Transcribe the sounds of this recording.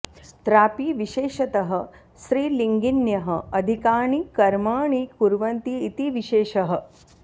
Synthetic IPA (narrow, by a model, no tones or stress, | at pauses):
t̪ɾaːpiʋiʃeːʃɐt̪ɐɦɐ̆ | ʃɾiːliŋɡinjɐɦɐɐd̪ʱikaːɳ̃ikɐɾmaːɳ̃iːkuɾʋɐnt̪iːt̪iʋiʃeːʃɐɦɐ̆